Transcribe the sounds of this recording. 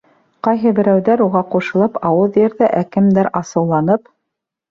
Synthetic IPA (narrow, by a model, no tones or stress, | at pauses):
qɑjɦɤbɘ̆ɾæwðæɾuʁɑquʃɤ̆lˠɤpɑwɤðjɘ̆ɾðæʔækɘ̆md̪æɾɑsɤ̆wlˠɑnɤp